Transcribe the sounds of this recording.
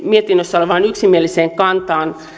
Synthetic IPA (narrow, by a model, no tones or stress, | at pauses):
miet̪inːøsːæoleʋɑːnyksimielːiseːŋkɑnt̪ɑːn